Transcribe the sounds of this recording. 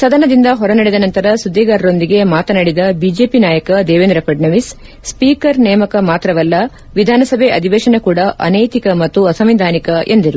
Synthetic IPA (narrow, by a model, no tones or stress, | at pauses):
sɐd̪ɐnɐd̪ind̪ɐɦɔɾɐnɐɽɛd̪ɐnɐnt̪ɐɾɐsud̪ːiːɡaːɾɐɾo̞nd̪iɡe̞maːt̪ɐnɐɽid̪ɐbid͡ʒeːpinaːjɐkɐd̪ɛːʋend̪ɾɐpɐɖnɐʋis | spiːkɐɾnɛːmɐkɐmaːt̪ɾɐʋɐlːɐ | ʋid̪ʱaːnɐsɐbʱeʔɐd̪ʱiʋɛːʃɐnɐkuːɽɐʔɐ̰nɐjt̪ikɐmɐt̪ːuɐsɐmʋid̪ʱaːnikɐʔḛnd̪iɾu